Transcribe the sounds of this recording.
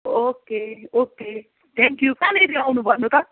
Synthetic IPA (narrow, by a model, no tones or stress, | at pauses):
okeoke | t̪ʰɛ̃ŋkjukaneɾiawnubʱʌnut̪ʌ